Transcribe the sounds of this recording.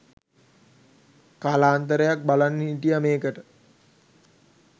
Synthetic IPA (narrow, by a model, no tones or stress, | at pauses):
kalaːnt̪əɾəjak̚balanːiiʈijəmeːkəʈə